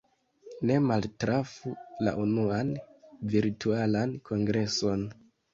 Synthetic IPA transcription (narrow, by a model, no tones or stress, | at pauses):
ne̞maltɾafula̰ʔunuanviɾtualankʰo̞ŋɡɾe̞so̞n